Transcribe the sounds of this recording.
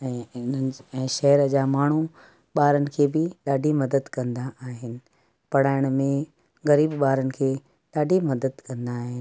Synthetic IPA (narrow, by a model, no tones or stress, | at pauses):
ɛ̃ːɪnənɪɛ̃ːʃɐɦɛɾəd͡ʑaːmaːɳ̤u | ɓaːɾənɪ̆kʰeːbɪɗaːɖʱimɐd̪əd̪kɐ̃nd̪aaːɦɪnɪ̆ | pɐɽ̤aːɪɽ̃mẽ | ɣɐɾiːbɓaːɾənɪ̆kʰeː | ɗaːɖʱimɐd̪əd̪kɐ̃nd̪aːɦɪn